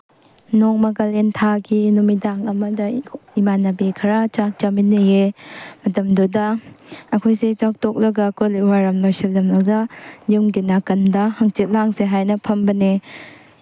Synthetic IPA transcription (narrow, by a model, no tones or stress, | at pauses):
nɔŋmɐɡalentʰaɡinumidaŋɐmɐdɐimanɐbekʰɐɾat͡ʃak̚t͡ʃaminːejemɐtɐmdudɐː | kʰojset͡ʃak̚tɔk̚lɐɡɐkoliwaɾɐmlojselːɐmlɐdɐjuŋɡinakɐndɐhaŋt͡ʃit̚laŋseɦajnɐpʰɐmbɐne